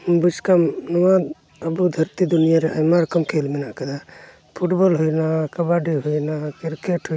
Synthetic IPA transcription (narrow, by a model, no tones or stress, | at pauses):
but͡ʃkamnɔwad̪ | əbud̪ʱəɾt̪id̪unijaɾɛa̰jmaɾɐkəmkʰelmɛnakɐd̪a | pʰuʈbɔlɦujnakɐbaɖiɦujnakiɾkeʈɦu